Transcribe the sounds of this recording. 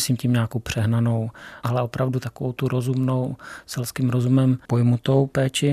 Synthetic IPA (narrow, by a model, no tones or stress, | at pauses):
siːmciːmɲaːkowpr̝̥ɛɦnano̞wʔalɛʔo̞pɾavdut̪akovo̞̰wt̪uɾo̞zumno̞wsɛlskiːmɾo̞zumɛmpo̞jmut̪o̞wpɛːt͡ʃɪ